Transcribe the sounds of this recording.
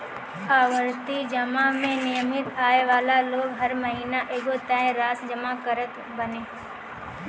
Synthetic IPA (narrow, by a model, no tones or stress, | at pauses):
aːʋəɾt̪id͡ʒɐmamẽnɪjəmɪt̪aːeʋaːlaloːɡɦɐɾməɦiːnaʔeːɡot̪ɛ̃ːẽɾaːsd͡ʒəmakəɾət̪ | bɐnẽː